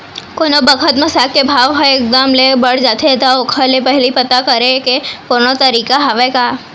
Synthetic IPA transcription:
konobəkʰət̪məsakebʱaʋɦɔek̚d̪əmlebəɽd͡ʒat̪ʰet̪aokʰəlepəɦlipət̪akəɾekekonot̪əɾiːkaɦaʋeka

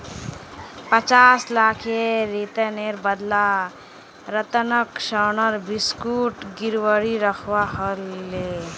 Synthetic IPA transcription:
pət͡ʃaslakʰeɾit̪əneɾbəd̪la | ɾət̪ənəkʃənəɾbiskuʈɡiɾwəɽiɾəkʰwaɦəle

